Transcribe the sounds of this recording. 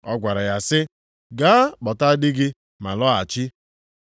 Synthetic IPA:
ɔ˦ɡʷa˨ɾa˨ja˨sɪ˦ | ɡa˦k͡pɔ˨ta˦dɪ˦ɡɪ˦ | ma˨lɔ˦a˨t͡ʃɪ˦

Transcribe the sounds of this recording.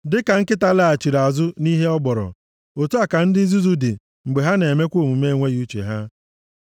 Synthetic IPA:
dɪ˦ka˨ŋ̩˦kɪ˦ta˦la˦a˨t͡ʃi˨ɾa˨zʊ˦ni˦ɦe˦ɔ˦ɡ͡bɔ˨ɾɔ̰˨ | o˨tu˦a˨ka˨n̩˦dɪ˦n˦zu˦zu˦dɪ̰˨ | ŋ͡m̩˨ɡ͡be˨ɦa˦ne˨e˨me˦kʷo˦˨mu˨me˦˨ŋʷe˦ju˦t͡ʃḛ˨ɦa˦

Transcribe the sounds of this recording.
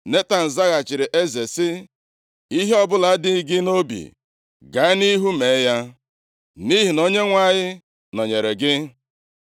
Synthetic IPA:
ne˦ta˨n̩˨za˦ɣa˨t͡ʃɪ˨ɾɪ˨ʔe˦ze˨sɪ˦ | i˦ɦe˦ɔ˦bʊ˦la˨˦dɪ˦i˦ɡɪ˦no˦bḭ˨ | ɡa˨˦ni˦ɦu˦me˨˦ja˦ | ni˦ɦi˨no˦ɲe˦ŋʷa˨ɲɪ˦ | nɔ˨ɲe˨ɾe˨ɡɪ˦

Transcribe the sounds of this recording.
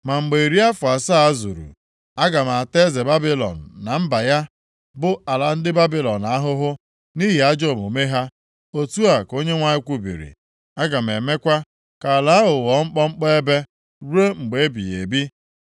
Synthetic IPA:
ma˨ŋ͡m̩˨ɡ͡be˨i˨ɾi˦a˦fʊ˨a˨sa˦a˦zṵ˨ɾṵ˨ | a˦ɡa˨m˨a˨te˦ze˨ba˦bi˦lɔ̰˨n̩˨na˨m̩˦ba˨ja˦ | bʊ˦a˨la˨n̩˦dɪ˦ba˦bi˦lɔ˨na˦ɦʊ˦ɦʊ˦ | ni˦ɦi˨a˦d͡ʒo˦˨mo˨me˦ɦa˦ | o˨tu˦a˨ko˦ɲe˦ŋʷa˦ɲɪ˦kʷu˦bḭ˨ɾḭ˨ | a˦ɡa˨m˨e˨me˦kʷa˦ | ka˨la˨˦ɦʊ˨wɔ˨˦ŋ͡m̩˦k͡pɔ˦ŋ͡m̩˦k͡pɔ˦e˦be˦ | ɾu˦e˦ŋ͡m̩˨ɡ͡be˨e˦bḭ˨jḛ˨bi˦

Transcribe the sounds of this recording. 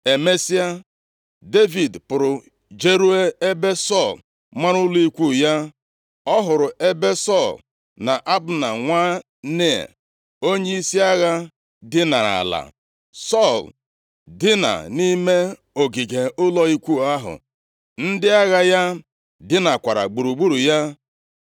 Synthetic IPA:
e˨me˦si˦a˦ | de˦vi˨dpʊ˨ɾʊ˨ | d͡ʒe˦ɾu˦e˦e˦be˦sɔ˦˨l | ma˦ɾʊ˦li˦kʷu˦˨ja˦ | ɔ˦ɦʊ˨ɾʊ˨ʔe˦be˦sɔ˦˨l | na˨ʔa˦bʊ˨na̰˨ŋʷa˦ | nḛ˦˨ | o˦ɲe˦i˦si˦a˦ɣa˦ | dɪ˦na˨ɾa̰˨la̰˨ | sɔ˦˨l | dɪ˦na̰˨ni˦me˦ | o˨ɡi˨ɡe˨ʊ˦lɔ˦i˦kʷu˦˨a˦ɦʊ̰˨ | n̩˦dɪ˦a˦ɣa˦ja˦ | dɪ˦na˨kʷa˨ɾa̰˨ɡ͡bu˨ɾu˨ɡ͡bu˦ɾu˨ja˦

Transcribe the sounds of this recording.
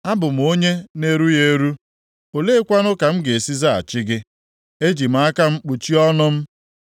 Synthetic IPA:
a˦bʊ˨m̩˨o˦ɲe˦ne˦ɾu˦je˦ɾu˦ | o˨le˦kʷa˦nʊ˦ka˨m̩˦ɡe˨e˨si˦za˦˨a̰˨t͡ʃɪ˦ɡɪ˦ | e˦d͡ʒi˨m̩˨˦a˦ka˦m̩˦k͡pu˨t͡ʃi˦ɔ˦nʊ˦m̩˦

